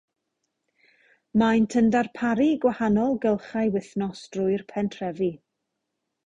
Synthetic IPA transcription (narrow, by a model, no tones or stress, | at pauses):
majntʰəndarpʰaɾiɡwahanɔlˠɡəlˠχajwɪθnɔsd̥rʊɨrpʰɛntʰrɛvi